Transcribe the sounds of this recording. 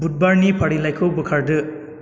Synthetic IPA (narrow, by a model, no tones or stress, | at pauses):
but̚baɾnipʰaɾilajkʰɔwbɯkʰaɾdɯ